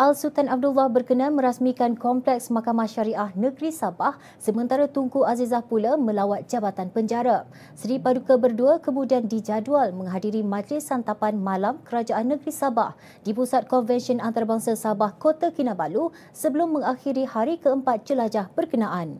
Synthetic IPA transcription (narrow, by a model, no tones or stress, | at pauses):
ʔalsut̪anab̚dulːahbərkənãmə̃ɾasmikankɔmplɛksmakamahʃaɾiahnə̃ɡɾisabah | səmə̃nt̪aɾat̪uŋkuʔazizahpulamə̃lawat̪̚d͡ʒabat̪anpəɲd͡ʒaɾa | sɾipadukəbərduakəmudiandid͡ʒadualmə̃ŋɦadiɾimãd͡ʒlɪsant̪apanmãlamkəɾad͡ʒaʔanːə̃ɡɾisaba̰h | d̥ipusat̪̚kɔnvɛnʃənant̪aɾabaŋsasabahkot̪akinabalu | səbəlʊmːə̃ŋaxiɾihaɾikəəmpat̪̚d͡ʒəlad͡ʒahb̥ərkənãʔan